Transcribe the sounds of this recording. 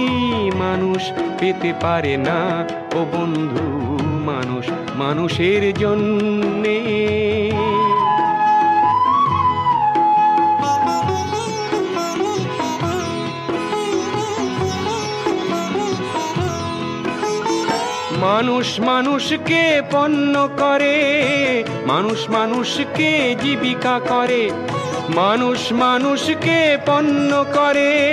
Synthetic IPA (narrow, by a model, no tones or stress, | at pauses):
manuʃpet̪epaɾena | obond̪ʱumanuʃ | manuʃeɾd͡ʑonːe | manuʃmanuʃkepɔnːokɔɾe | ma̰nuʃmanuʃked͡ʑibikakɔɾe | manuʃmanuʃkepɔnːokɔɾe